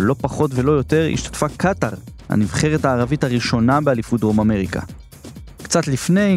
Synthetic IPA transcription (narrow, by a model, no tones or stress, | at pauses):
lo̞paχo̞tve̞lo̞jo̞te̞ʁḭʃtḁtfakʰataʁha̰nivχe̞ʁetaːʁavithaʁiʃo̞nabealifudʁo̞mame̞ʁikʰa̰ | kt͡satlifne̞j